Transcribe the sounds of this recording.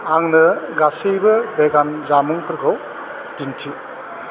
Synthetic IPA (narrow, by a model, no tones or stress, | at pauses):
aŋnɯɡasejbɯbeɡanzamuŋkʰɯɾkʰaw | tintʰi